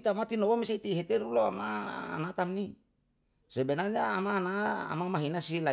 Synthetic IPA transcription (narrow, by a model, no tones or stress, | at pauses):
t̪amat̪inowamiseit̪iɦet̪eɾuloama̰ːnat̪amni | sebenarɲaːmaːnaa̰mamaɦinasila